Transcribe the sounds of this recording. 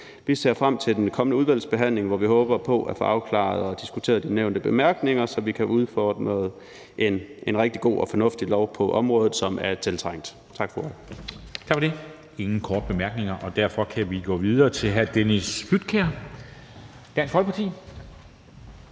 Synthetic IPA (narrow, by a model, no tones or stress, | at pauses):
ʋise̝ːɐ̰fʁam̰t͡sʰe̝d̥enkʰɒ̽mənəuðˠʋæl̰sb̥e̝ɦæn̰le̝ŋʋɒʋiɦɔːb̥ɐpʰɒ̽ʔæfɔ̰ːʔɑ̈ʊkʰlɑ̰̈ð̩ˠɒ̽d̥isɡ̥ut͡sʰe̝̰ːɐd̥ineʊ̰nd̥əb̥e̝mæɐɡ̥ne̝ŋɐsɒ̽ʋikʰæʔuðˠfɒːd̥ʁð̩ˠ | ʔe̝nʔenʁɛɡ̥̚d̥iɡ̥o̝̰ːɒ̽fɒ̽nɔ̽fd̥ilɒʊ̰pʰɒ̽ʔɒ̽mʁɔ̽ːðˠð̩ˠsɒ̽mæɐt͡sʰe̝lt͡sʰʁɑŋ̰d̥ | t͡sʰɑ̈ɡ̥fɒ̥ɒɪt͡sʰɑ̈ɡ̥fɒde | e̝ŋn̩kʰɒːd̥əb̥e̝mæɐɡ̥ne̝ŋɐʔɒ̽d̥æɐ̰fɒ̽kʰæʋiɡ̥ɔ̰ːʋið̞ˠɐːt͡sʰe̝lɦæd̥enisfyd̥̚kʰeɐ | d̥æɐnsfɒlpʰɑ̈t͡sʰḭː